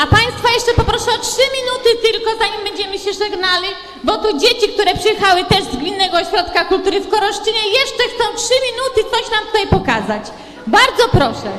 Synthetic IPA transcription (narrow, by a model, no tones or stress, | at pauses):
apaj̃st̪fɔjɛʂt͡ʂɛpɔpɾɔʂɛɔtʂɘmʲinut̪ɘt̪ɘlkɔzaɲimbɛɲd͡ʑɛmɘɕɛʐɛɡnalʲi | bɔt̪ud͡ʑet͡ɕik̚t̪uɾɛpʂɛjɛxawɘt̪ɛʐzɡmʲinːɛɡɔːɕɾɔt̪kakult̪uɾɘfkɔɾɔʂt͡ʂɘɲɛjɛʂt͡ʂɛxt̪sɔ̃w̃tʂɘmʲinut̪ɘt̪sɔɕnamt̪u̥t̪ajpɔkazat͡ɕ | baɾd̪zɔpɾɔʂɛ